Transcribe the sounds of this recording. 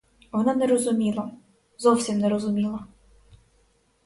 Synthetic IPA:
ʋɔnanɛɾɔzʊmʲilˠɐ | zɔwsʲimnɛɾɔzʊmʲilˠɐ

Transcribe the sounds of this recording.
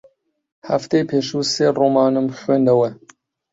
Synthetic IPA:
ha̰ft̪ejpʰeːʃuːseːroːmɑːnɨmxweːnd̪ɛwɛ

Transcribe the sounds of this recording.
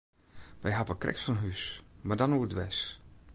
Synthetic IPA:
ʋɛjɦavəkrʔɛ̰ksfɔnɦysmadɔnuədʋɛs

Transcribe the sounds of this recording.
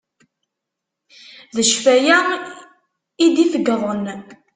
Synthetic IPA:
ðəʃfæjæ | id̪ifəɡðˤən

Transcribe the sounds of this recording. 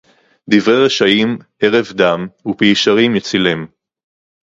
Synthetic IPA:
d̪ivʁejʁeʃaim | e̞ʁe̞vd̪amupiʃaʁimjet͡silem

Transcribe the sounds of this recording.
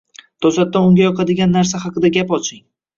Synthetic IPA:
d̪̥ɒslat̪ːaʊŋɡʲajɒqʰɑd̪ɪɡʲanːaɾsahɑqɨd̪aɡʲapɒt͡ʃʰɪŋ

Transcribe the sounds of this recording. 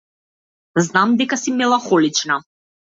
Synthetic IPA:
znamd̪ɛkasimɛlˠaxɔlit͡ʃna

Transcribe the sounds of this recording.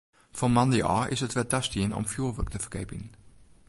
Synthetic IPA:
fɔmɑndeʔɑ̰ːʔɪ̰sətʋɛltastiənɔ̰mfjuːʋək̚təfə̥kɛpən

